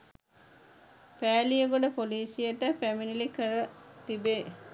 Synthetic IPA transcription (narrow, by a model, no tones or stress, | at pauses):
pæːlijəɡoɖəpoliːsijəʈəpæminilikəɾət̪ibe